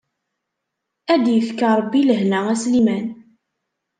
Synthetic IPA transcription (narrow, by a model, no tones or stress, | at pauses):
æd̪jəfkəɾˤəbːiləɦnææslimæn